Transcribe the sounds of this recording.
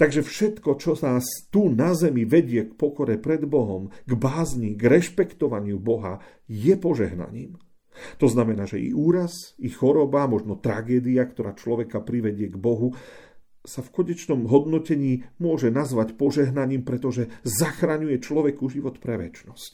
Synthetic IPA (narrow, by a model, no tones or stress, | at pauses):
t̪aɡʒɛfʃɛt̪kɔt͡ʃɔsast̪unazɛmiʋɛɟɪɛkpɔkɔɾɛpɾɛd̪bɔɦɔmɡbaːzɲiɡɾɛʃpɛkt̪ɔʋaɲɪubɔɦa̰ | jɛpɔʒɛ̰ɦna̰ɲḭːm | t̪ɔznamɛnaːʒɛḭʔuːɾasixɔɾɔbamɔʒnɔt̪ɾaɡɛːd̪iakt̪ɔɾaːt͡ʃlɔʋɛkapɾiʋɛɟɪɛɡbɔɦu | safkɔɲɛt͡ʃnɔmɦɔd̪nɔcɛɲiːmʊɔʒɛnazʋacpɔʒɛɦnaɲiːmpɾɛt̪ɔʒɛzaxɾaɲujɛt͡ʃlɔʋɛkuʒiʋɔt̪pɾɛʋɛ̰t͡ʃnɔsc